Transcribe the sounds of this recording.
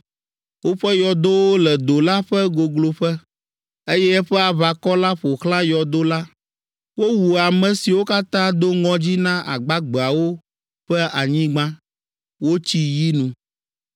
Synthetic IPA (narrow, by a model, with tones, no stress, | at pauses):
wo˦ɸɛ˦jɔ˨d̪o˦wo˦lɛ˨d̪o˨la˦ɸɛ˦ɡo˨ɡlo˨ɸɛ˦ | e˦jɛ˦ɸɛ˦a˨βa˨kɔ˦la˦ɸo˨xlã˦jɔ˨d̪o˦la˦ | wo˦wu˨a˨mɛ̃˨si˨wo˦ka˦t̪ã˦d̪o˦ŋɔ̃˦d͡ʑi˦nã˦ʔa̰˨ɡ͡ba˦ɡ͡be˨a˨wo˦ | ɸɛ˦a˨ɲĩ˦ɡ͡bã˦ | wo˦t͡ɕi˦ji˦nũ˨